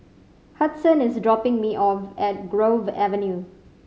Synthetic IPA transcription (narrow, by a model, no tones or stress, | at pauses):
hʌtsə̃nɪsdɹɔpɪ̃ŋmiʔɔfɛt̚ɡɹovɛ̰və̃nju